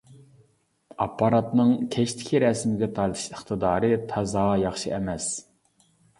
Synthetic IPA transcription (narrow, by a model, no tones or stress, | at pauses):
ɑpʰːɑɾɑt̪nɨŋkʲʰɛʃt̪ʰɪ̥kʲʰiɾɛsmɪɡʲɛt̪ʰɑɾt̪ʰɨ̥ʃəχt̪ʰɨd̪ɑːɾɨt̪ʰɑzɑjɑχʃɨʔɛmɛs